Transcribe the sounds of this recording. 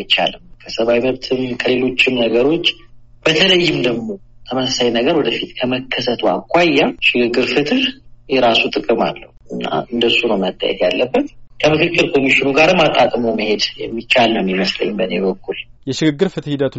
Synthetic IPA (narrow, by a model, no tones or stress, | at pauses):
jt͡ʃːa̰lɨmkʰəsəβawiməβt̪ʰɨmkʰəle̞lo̞t͡ʃːɪmnəɡəɾo̞t͡ʃː | b̥ət̪ʰələjːɪmd̪əɡmo̞t̪ʰəməsasajnəɡəɾwɔd̪əfit̪kʰəməkʰːəsət̪ʰua̰kʷːajːaʃɪɡɨɡːɨɾfɨt̪ɨhjɛɾasut̪ʼɨkʼɨma̰lːə̰huʔɨnːa̰ɨnd̪əsunəwmət̪ʼːa̰jɛ̰t̪jalːəbːət̪kʰəmɨkɨkːɨlkʰo̞miʃɪnuɡaɾɨmat̪ʼakʼmoməhe̞d̪jɛ̰mːit͡ʃːalːɨmjɛməslə̰ɲːmbəneβəkːuljɛʃɪɡɨɡːɨɾfɨt̪hid̪ət̪ʰ